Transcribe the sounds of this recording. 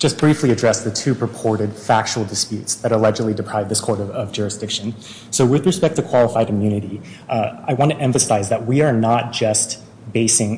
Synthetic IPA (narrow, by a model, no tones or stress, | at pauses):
ʒ̥ʌs̚b̥ɹifliɨdɹɛsðɨtʰʉpʰɹ̥ɨpʰɔɹɾɨd̥fæk̚t͡ʃul̩ˠdɨspjʉtsðɨɾəlɛd͡ʒɨdˡlˠidɨpʰɹ̥aɪv̚ðɪskʰɔɹɾʌʌvd͡ʒʊɹɨsd̥ɪkʃɨ̃n | soʊwɨðɹɨspɛk̚tʰɨkʰw̥ɑlˠəfaɪɾmjʉnɨɾi | aɪwɑ̃ntʰɨʔɛ̃ɱfɨsaɪzðɨt̚wiə˞nət̚d̥ʒ̥ʌst̚ | b̥eɪsɪ̃ŋ